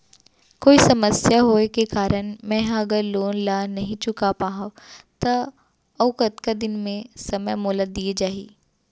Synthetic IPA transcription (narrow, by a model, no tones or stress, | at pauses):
koːisɐməsjaɦoːekekaːɾənmɛ̃ːɐɡəɾloːnlaːnɐɦĩt͡ʃʊkapaːɦat̪ɐ | ɐʋkət̪kad̪ɪnmẽsɐməjmoːləd̪ːied͡ʒaːḭː